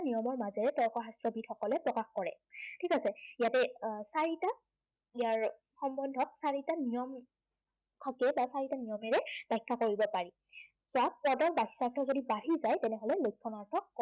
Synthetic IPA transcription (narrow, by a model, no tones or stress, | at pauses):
nijɔmɔɹmazɛɹɛtɔɹkɔɹɦastɹɔbʱidxɔkɔlɛpɹɔkaxkɔɹɛ̰ | tʰikasɛijatɛsaɹita | ijaɹ | xɔmbɔndʱɔk̚saɹitanijɔm | kʰɔkɛbasaɹitanijɔmɛɹɛd̥ajkʰːakoɹibɔpaɹi | sɔappɔdɔɹbahi̥saɹtʰɔzodibaɦizajtɛnɛɦɔlɛlojk̚ʰːɔnaɹtʰɔkɔ